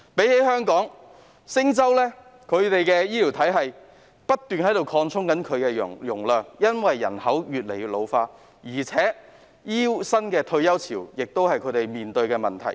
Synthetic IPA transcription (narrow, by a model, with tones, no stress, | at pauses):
pe˨˥jhe˨˥ɦœː˥ŋkɔː˨˥ŋ | sɪ˥ŋt͡sɐ˥wlɛː˥ | kʰɵ˨˧ɥt̪e˨jkɛː˧jiː˥liː˨˩wt̪ʰɐ˨˥jɦɐ˨j | pɐ˥t̚t̪ːyː˨nhɐ˨˥jt̪o˨wkʰɔː˧ŋt͡sʰʊ˥ŋkɐ˨˥nkʰɵ˨˧ɥkɛː˧jʊ̰˨˩jʊ˨˩ŋlœː˨˩ŋjɐ˥nwɐ˨jːɐ̰˨˩nhɐ˨˥wjyː˨t̚le˨˩jyː˧˥lo˨˧wfaː˧t | jiː˨˩t͡sʰɛː˨˥ | jiː˥sɐ˥nkɛː˧t̪ʰɵ˧ɥjɐ˥wt͡sʰiː˨˩wjɪ˨k̚t̪o˥whɐ˨jkʰɵ˨˧˥t̪e˨jmiː˨nt̪ɵ˧ɥkɛː˧mɐ˨nt̪ʰɐ˨˩j